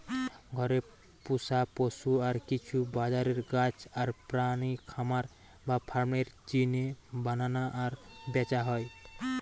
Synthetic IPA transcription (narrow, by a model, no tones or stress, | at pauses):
ɡʱʌɾe | pusaposuaɾkit͡ʃʰubad͡ʒaɾeɾɡat͡ʃaɾpɾanikʰamaɾ | bapʰaɾmɽeɾd͡ʒinebananaʔaɾbɛt͡ʃaɦɔj